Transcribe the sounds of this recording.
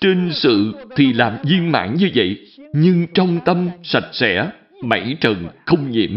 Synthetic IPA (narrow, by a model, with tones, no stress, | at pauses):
t͡ɕe˧nsɨ̰˧˨t̪ʰi˨˩laː˨˩mzi˧ənma̰ː˧˥nɲɨ˧və̰˧˨j | ɲɨ˧ŋt͡ɕɔ˧wŋ͡mt̪ə˧msa˨˩t̚sɛ̰˧˥ | ma̰˧˥jt͡ɕə˨˩nxə˧wŋ͡mɲḭ˧˨əm